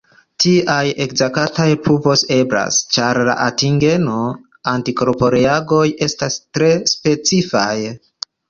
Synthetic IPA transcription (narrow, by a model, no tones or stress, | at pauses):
tiaje̞kzakatajpʰupo̞se̞bɾa̰st͡ʃaɾla̰ʔatiŋɡe̞no̞ | antiko̞ɾpo̞ɾeaɡo̞je̞stastɾe̞spe̞t͡sifaj